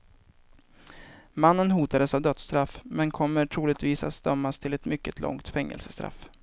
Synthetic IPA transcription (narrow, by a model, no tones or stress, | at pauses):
manːənɦuːt̪ad̪əsavd̪œt̪st̪ɾafmɛnkʰɔmːəʈʰɾuːlɪt̪viːsa̰t̪st̪œmːast̪ʰɪlɛt̪mʏkːət̪lɔ̰ŋt̪fɛŋːɛ̰lsəst̪ɾa̰f